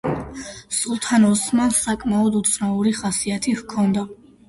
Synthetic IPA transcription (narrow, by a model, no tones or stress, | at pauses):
sulˠt̪ʰanɔsmasakʼmaɔd̪ut̪sʰnauɾiχasiat̪ʰihkʰɔnd̪a